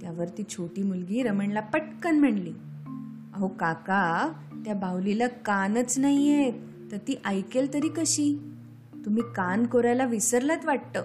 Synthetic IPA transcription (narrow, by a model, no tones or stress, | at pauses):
t̪jaʋəɾt̪iːt͡ɕʰoʈiːmulɡiːɾəməɳlapəʈkənm̤əɳliː | aɦokaka | t̪jabawlilakanət͡snaijet̪ | t̪əɾt̪iːʔajkelt̪əɾiːkəɕiː | t̪um̤iːkankoɾajlaʋisəɾlat̪ʋaɽ̚t̪əː